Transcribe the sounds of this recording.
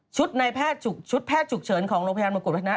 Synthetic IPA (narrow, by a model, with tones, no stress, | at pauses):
t͡ɕʰu˦˥t̪̚na˧jpʰɛː˥˩t̪̚t͡ɕʰu˨˩k̚t͡ɕʰu˦˥t̪̚pʰɛː˥˩t̪̚t͡ɕʰu˨˩k̚t͡ɕʰɤː˩˦nkʰɔː˩˦ŋo˧ŋpʰa˧jaː˧m˧ku˨˩pʰa˦˥a˧a˦